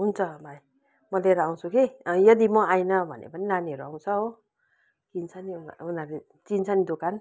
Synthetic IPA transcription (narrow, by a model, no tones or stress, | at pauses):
ɦunt͡sʰʌbaj | mʌleɾaaw̃sʰukijʌd̪imʌajnʌbʱʌ̰nḛpʌnilanieɾuaw̃nsʰʌo | kint͡sʰʌniua̰unaɾe | t͡sint͡sʰanid̪okan